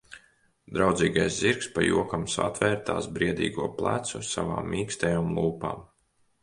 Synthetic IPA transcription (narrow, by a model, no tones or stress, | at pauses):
d̪ɾawd̪ziːɡajsziɾkspa̰jṵɔkamsa̰t̪vɛːɾt̪a̰ːsbɾiɛd̪ḭːɡuɔplˠæ̰t̪susa̰va̰ːmːiːkst̪ɛjoːmlˠuːpa̰ːm